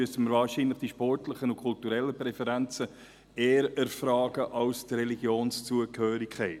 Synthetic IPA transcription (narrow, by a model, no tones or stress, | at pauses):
yəsənməɾvɑːɾʃinləχd̥iʃpɔrtləχənʊkʰʊltuɾɛlːəpɾɛfɛɾænt͡sə | eːəɾəɾfɾɑːɡəʔɑwstɾɛliɡjoːnst͡suəkhøːɾɪkχɛɪt